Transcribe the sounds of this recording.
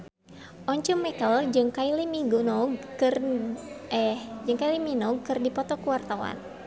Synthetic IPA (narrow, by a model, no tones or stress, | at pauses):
ʔɔɲt͡ʃumɛkəld͡ʒɨŋkailimiɡunɔɡ̚ɨr | ɛhd͡ʒɨŋkailiminɔɡ̚kɨrdipɔt̪ɔkuwart̪awa̰n